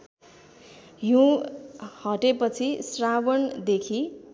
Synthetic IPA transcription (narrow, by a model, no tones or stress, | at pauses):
jũ | hʌʈepʌt͡sʰisrabʌnd̪ekʰi